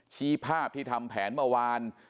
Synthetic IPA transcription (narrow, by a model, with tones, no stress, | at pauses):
t͡ɕʰiː˦˥˩pʰaː˥˩p̚t̪ʰiː˥˩t̪ʰa˧mpʰɛː˩˦nmɯ˥˩ɐwaː˧n